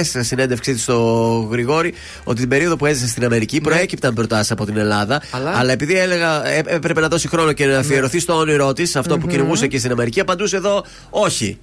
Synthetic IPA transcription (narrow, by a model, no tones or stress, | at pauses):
ssine̞nd̪efksit̪i̥st̪o̞ɣɾiɣo̞ɾi | o̞t̪it̪imbe̞ɾio̞ðo̞pue̞zisest̪inɐme̞ɾicipɾo̞e̞cip̚t̪ɐmbɾo̞t̪ɐsisɐpo̞t̪ine̞lɐðɐɐlɐe̞piðiele̞ɣɐeepɾe̞pe̞nɐðo̞sixɾo̞no̞ce̞nɐfie̞ɾo̞θist̪ooniɾo̞t̪isɐft̪o̞puciniɣusecist̪inɐme̞ɾiciɐpɐnd̪useðo̞ | o̞çi